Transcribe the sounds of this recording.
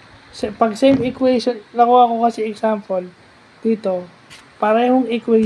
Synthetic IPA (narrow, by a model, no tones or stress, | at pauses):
sɛpɐɡ̚sejmɪkwɛjʃonlɐkuɐko̞kɐsɛɛksampol | d̪̥iːt̪o̞ | pɐɾɛːhoŋɪkwɛ